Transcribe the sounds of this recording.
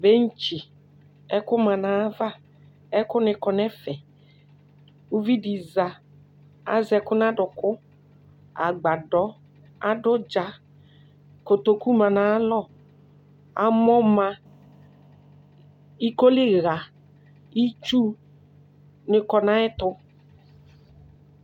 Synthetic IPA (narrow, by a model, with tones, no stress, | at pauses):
be˦n̩˦t͡ʃi˨ | ɛ˦kʊ˦ma˨na˨˦va˦ | ɛ˦kʊ˦nɪ˨kɔ˨nɛ˦fɛ˨ | u˦vi˦di˨za˨ | a̰˦zɛ˨kʊ˦n˦a˦dʊ˨kʊ˦ | a̰˨ɡ͡ba˨dɔ˨˦ | a̰˦dʊ˦d͡ʒa˨ | ko˨t̪o˨ku˦mã˨na˨˦lɔ˦˨ | a̰˨mɔ˦mã˧ | i˦ko˦lɪ˦ɣa˨ | i˦t͡ʃu˦ | nɪ˨kɔ˨nã˨˦ɪ˦t̪ʊ˦